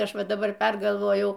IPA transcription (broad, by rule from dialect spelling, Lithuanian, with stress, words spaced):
ˈɐʃ ˈʋɐ dɐˈbɐr ˈpʲɛrɡɐlˠʋoːjɛʊ